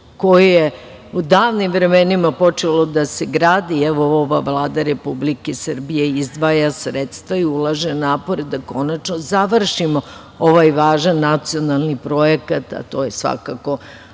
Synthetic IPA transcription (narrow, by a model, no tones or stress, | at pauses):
ko̞jeje | ud̪aːʋnimvɾe̞menimapo̞t͡ʃelo̞d̪aseɡɾaːd̪iɛʋooʋaʋlˠaːd̪aɾe̞publikesrbijeizd̪ʋaːjasɾet̪st̪ʋaiulˠaʒenaːpo̞ɾed̪ako̞nat͡ʃnozaʋr̩ʃimo̞ | oʋajʋaːʒanːat̪sio̞nalˠnipɾo̞jekat̪a̰t̪o̞ːje̞sʋa̰kako̞